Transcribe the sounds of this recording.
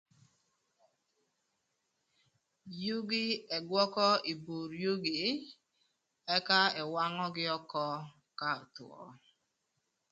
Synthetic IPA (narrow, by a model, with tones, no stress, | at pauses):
ju˦ɡɪ˦e˨ɡɔ˦kɔ˦i˨bo˨ɾjo˦ɡe˨˦ | e˦ka˦ɪ˨wa˦ŋɔ˦ɡɪ˦ɔ˦kɔ˦ | ka˦˨tʊ̰˨ɔ̰˦